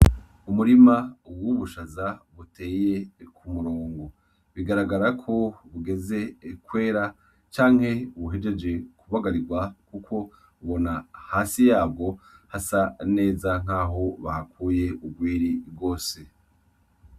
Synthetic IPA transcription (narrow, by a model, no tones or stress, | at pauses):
umuɾimawuβuʃazaβute̞ːje̞kʰumuɾoːŋɡo | βiɡaɾaɡaɾakʰo̞βuɡe̞ze̞kwe̞ːɾa | t͡ʃaːŋ̥he̞βuɦe̞d͡ʒe̞d͡ʒe̞kuβaɡaɾiɡwakukʰo̞ | uβo̞nahaːsijaːb̚ɡo̞hasane̞ːzaŋ̥aːɦo̞βahakuːje̞ʔubɡwiːɾibɡo̞ːse̞